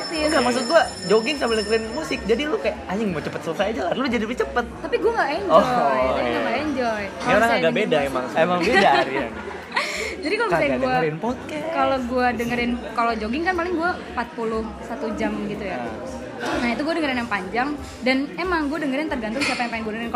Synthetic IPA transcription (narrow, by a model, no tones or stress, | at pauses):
siɡamaksʊt̪̚ɡua | d͡ʒoɡɪŋsabɪləklɪnmusɪk̚d͡ʒadilukajaʔaɲɪŋmot͡ʃəpət̪̚sələsajad͡ʒalaɾlud͡ʒadipit͡ʃəpət̪̚t̪apiɡuaŋɡaeɲd͡ʒɔaaŋɡaɛɲd͡ʒɔjaloɾaŋaɡabedaema̰ŋemaŋbedaɾja̰ŋ | d͡ʒadikalosajaɡɡaaɾiɪnpɔt̪̚kakaloɡuadəŋəɾɪnkalod͡ʒoɡɪŋkanpalɪŋɡuaəmpat̪̚pulʊhsat̪ud͡ʒamɡit̪uja | nait̪uɡuadəŋəɾɪnjaŋpaɲd͡ʒaŋ | danemaŋɡuadəŋəɾɪnt̪ərɡant̪̬ʊŋsiapajaŋpaɪŋɡuadəəɾɪn